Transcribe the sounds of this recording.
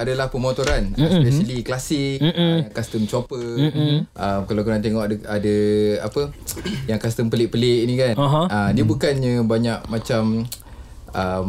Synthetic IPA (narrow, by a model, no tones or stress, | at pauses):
adalahpəmot̪oɾanaspɛsəliklasɪk̩ːaŋkast̪əmt͡ʃopə | ʔəmkalakuɾant̪eŋɔʔadaa̰pəjaŋkast̪əmpəlɪʔ̚pəlɪʔ̚nĩkanaɦaadiəbukanɲəbaɲaʔ̚mat͡ʃam | əm